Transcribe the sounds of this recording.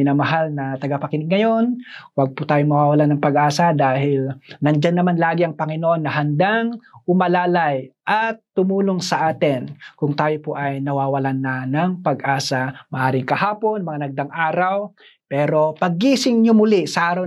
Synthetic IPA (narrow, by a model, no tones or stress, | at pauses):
ɪnamɐɦalnɐt̪ɐɡɐpɐkɪnɪɡ̚ŋɐjo̞nwaɡ̚pʊt̪aːjoŋmɐwaːwɐlanːɐŋpɐɡʔaːsɐd̪aːhɪlnɐnd͡ʒanːɐmanlaːɡɪʔɐŋpɐŋɪnoʔo̞nːɐɦɐnd̪aŋʔʊmɐlaːlajʔɐt̪ːʊmuːloŋsɐʔaːt̪ɪnkʊŋt̪aːjopoʔɐjnɐwaːwɐlanːɐnɐŋpɐɡʔaːsɐmɐʔaːɾɪŋkɐhaːpo̞nmɐŋanɐɡ̚d̪aŋʔaːɾaw | pɛːɾo̞pɐɡ̚ːiːsɪŋɲomʊlɪsɐʔaːɾɐw